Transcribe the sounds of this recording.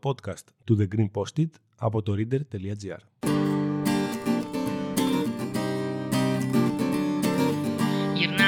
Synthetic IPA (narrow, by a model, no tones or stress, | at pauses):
po̞t̪kɐst̪ːuðe̞ɡɾimpo̞st̪it̪ | ɐ̰po̞t̪o̞ɾid̪e̞ɾt̪e̞liɐd͡ziɐ̰ɾ | jiɾnɐ